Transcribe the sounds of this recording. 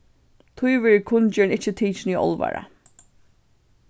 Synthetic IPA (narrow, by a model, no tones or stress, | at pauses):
t̪ʰʊjʋɛːɹkʰʊnt͡ʃɛnɪt͡ʃːɪt̪ʰiːt͡ʃniɔ̰lˠʋa̰ɹa̰